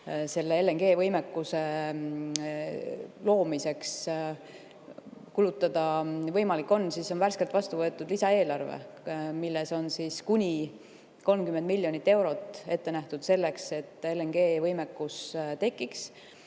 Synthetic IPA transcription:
se̞lːeelːeŋɡ̥e̞ːvɤjme̞kːuse̞ | lo̞ːmise̞ks | kulut̪ːˑɑd̪̥ɑvɤjmɑlikːo̞nːsiso̞nværske̞lt̪vɑst̪uvɤ̞e̞t̪ːˑud̪lisɑe̞ːlɑrvḛmilːe̞so̞nsiːskunʲi | ko̞lmkymːend̪milʲːjo̞nit̪ːe̞wɾo̞t̪ːˑe̞t̪ːe̞næht̪ud̪̥se̞lːe̞kse̞t̪ːˑe̞lːeŋɡ̥e̞ːvɤjme̞kːust̪e̞kːˑiks

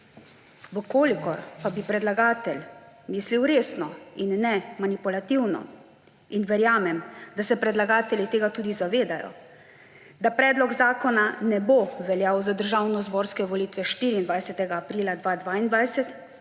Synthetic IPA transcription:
ʋəkoːlikɔɾpabipɾɛd̪laɡaːt̪ɛl | miːsliwɾeːsnɔinːɛmanipulat̪iwnɔ̰ | inʋɛɾjaːmɛmd̪asɛpɾɛd̪laɡaːt̪ɛlit̪eːɡat̪uːd̪izaʋeːd̪ajɔ̰ | d̪apɾɛːd̪lɔɡzaːkɔnanɛboʋɛljaːwzad̪əɾʒaːwnɔzboːɾskɛʋɔliːt̪ʋɛʃt̪iːɾiːnd̪ʋajsɛt̪ɛɡaːpɾiːlad̪ʋad̪ʋaːind̪ʋajsɛt̪

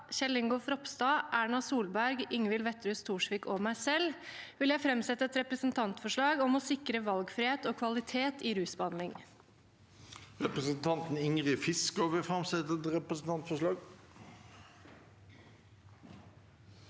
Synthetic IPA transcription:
ɕɛlɪŋɡʊfɾɔpst̪ɑːʔæːɳɑsuːlbæɾɡɪŋʋɪlʋɛt̪ːɾʉːst̪ʰuːʂʋiːkɔmæɪsɛlːʋɪljæɪfɾɛmsɛt̪ːəɛt̪ɾɛpɾəsənt̪ʰɑnt̪fɔʂɭɑːɡɔmɔsɪkɾəʋɑlɡfɾɪheːt̪oːkʰʋɑlɪt̪ʰeːt̪ɪɾʉːsbɑnlɪŋ | ʁɛpɾəsənt̪ʰɑnt̪n̩ɪŋʁɪfɪskɔʋəfɾɑmsɛt̪əɛt̪ɾɛpɾəsn̩t̪ʰɑnt̪fɔʂɭɑːɡ

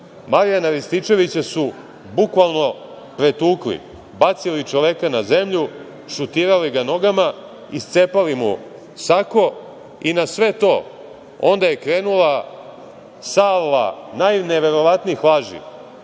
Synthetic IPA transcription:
maɾijanaʋist̪it͡ʃe̞ʋit͡ɕasu | bukʋalˠno̞ | pɾet̪uːklḭ | bat̪silit͡ʃoʋekanaze̞mʎu | ʃut̪iːɾaliɡano̞ɡama | ist̪sepalimṵ | sako̞ | inasʋe̞t̪o̞ː | o̞̰nd̪aje̞kɾe̞ːnulˠa | salːa̰najneʋe̞ɾo̞ʋat̪niixlˠaːʒḭ

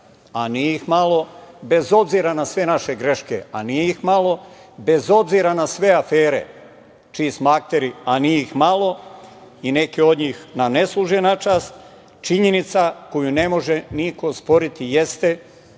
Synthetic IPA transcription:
anieixmalo̞be̞zo̞bziɾanasʋe̞naʃe̞ɡɾe̞ʃke̞̰a̰nijeixmalo̞ | be̞zo̞bziɾanasʋe̞afeːɾe̞̰ | t͡ʃiːst̪mak̚t̪eɾianieixmalˠo̞ | ine̞keo̞d̪ɲiːxnane̞slˠuʒenat͡ʃaːst̪ | t͡ʃiɲe̞nit̪sako̞june̞mo̞ʒe̞niko̞spo̞ɾit̪ije̞st̪e̞

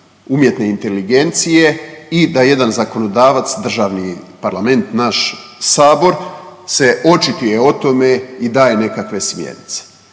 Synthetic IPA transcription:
umje̞t̪ne̞int̪e̞liɡe̞nt̪sije̞id̪aje̞d̪anzako̞no̞d̪aːʋat̪sd̪r̩ʒaːʋnipaɾlˠame̞nt̪naʃsaːbo̞ɾse̞ʔo̞t͡ʃit̪uje̞o̞t̪o̞me̞id̪aːje̞ne̞kakʋe̞smjḛnḭt̪se̥

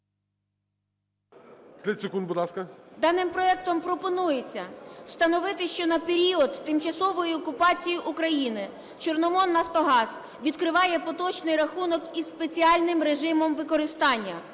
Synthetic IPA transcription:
t̪ʲɛtʲsekund̪bʊd̪lˠɑskɐd̪ɑnɪmpɾɔɛk̚t̪ɔmpɾɔpɔnujet͡sʲːɐst̪ɐnɔʋɪt̪ɪʃt͡ʃɔnɐpeɾʲiɔd̪ːɪmt͡ʃɐsɔʋɔjiɔkʊpɑt͡sʲijiʔukɾɐjinɪ | t͡ʃɔrnɔmɔnːɐft̪ɔɦɑz | ʋʲid̪kɾɪʋɑjɛpɔt̪ɔt͡ʃnɪjɾɐxunɔkispet͡sʲiɑlʲnɪmɾeʒɪmɔmʋɪkɔɾɪst̪ɑnʲːɐ

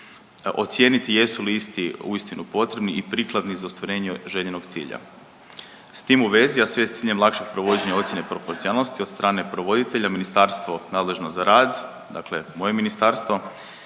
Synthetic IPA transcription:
ʔo̞̰t̪sje̞nit̪ije̞suliist̪iuist̪inupo̞t̪ɾe̞bniʔipɾiklˠad̪nizaust̪ʋaɾe̞ːɲeʒeʎenoɡt̪sḭːʎa̰ | st̪iːmuʋe̞ziasʋest̪iːʎemlˠakʃeɡ̚pɾo̞ʋo̞d͡ʑe̞ɲao̞t̪sʲje̞nepɾo̞po̞ɾt̪sialˠno̞st̪iod̪st̪ɾʔaːne̞pɾoʋo̞d̪it̪e̞ʎaminist̪aɾst̪ʋo̞naːd̪le̞ʒnozaɾaːd̪ | d̪a̰kle̞mo̞je̞minist̪aːɾst̪ʋo̞

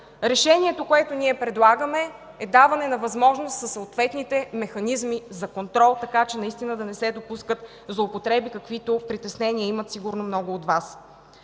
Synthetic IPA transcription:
ɾɛʃɛnʲiɛt̪okoɛt̪oniɛpɾɛd̪lˠaɡəmɛ | ɛd̪avɐnɛnɐvɐzmɔʒnost̪səsoot̪vɛt̪nit̪ɛmɛxɐnizmizɐkont̪ɾɔlˠt̪ɐkat͡ʃɛnɐist̪inəd̪ɐnɛsɛd̪opuskət̪ | zlˠoːpot̪ɾɛbikɐkvit̪opɾit̪ɛsnɛniəimət̪siɡʊɾnomnɔɡʊːt̪vas

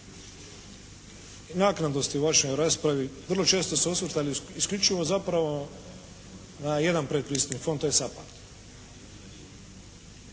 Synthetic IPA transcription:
naknad̪o̞st̪iuʋaʃojɾaːspɾaʋiʋr̩lˠo̞t͡ʃe̞ːst̪o̞suosʋrɾt̪aliiskʎʲut͡ʃiʋo̞zapɾaʋo̞ | naje̞d̪anpɾet̪̚pɾiːst̪nifo̞nt̪ojesapat̪

